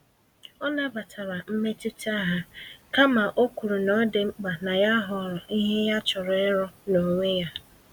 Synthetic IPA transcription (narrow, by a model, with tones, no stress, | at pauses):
ɔ˦na˦ba˨tʰa˨ɾa˨m̩˦me˦ti˦ta˦ɦa˦ka˦ma˨ʔo˦kʷu˨ɾu˨nɔ˦de˨ŋ͡m̩˦k͡pa˨na˨ja˦ɦʊ˨ɾɔ˨i˦ɦe˦ja˦t͡ʃʊ˨ɾɔ˦ɪ˦ɾɔ˦no˨ŋʷe˦ja˦